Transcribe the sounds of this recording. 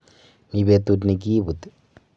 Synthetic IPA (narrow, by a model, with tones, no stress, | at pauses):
mi˨βe˨t̪u˧t̬ni˨k̬i˦βu˨t̪